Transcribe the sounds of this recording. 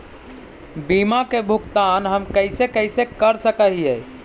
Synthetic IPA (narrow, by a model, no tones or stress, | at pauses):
bimakebʱukt̪anɦəmkəjsekəjsekəɾsəkəɦiɛ